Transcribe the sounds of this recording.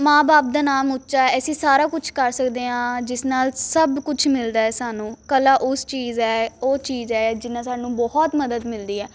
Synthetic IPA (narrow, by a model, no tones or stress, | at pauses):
mãːbaːp̚d̪aːnaːmʊtːʃaːɛːɛːsiːsaːɾaːkʊt͡ʃʰkəɾsəkd̪eːɦãːd͡ʒɪsnaːlsəbkʊt͡ʃʰmɪld̪aːɛːsaːnũːkəlaːʔʊst͡ʃiːzɛːoːt͡ʃiːzɛːd͡ʒɪnːãːsaːɖnũːbɔɦɔt̪məd̪əd̪mɪld̪iːɛː